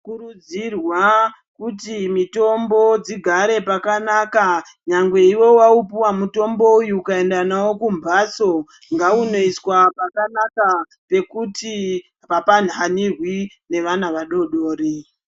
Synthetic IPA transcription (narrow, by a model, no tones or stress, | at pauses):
kuɾud͡zirwa | kutimito̞mbo̞d͡ziɡʱaɾe̞pakanaːka | ɲaŋɡwe̞iwo̞waupuwamuto̞mbo̞ujuːkae̞ndanawo̞kumbʱaːso̞ | ŋɡauno̞iswapakanaka | pe̞kuti | papan̤anirwi | ne̞ʋanaʋaɗo̞ɗoːɾi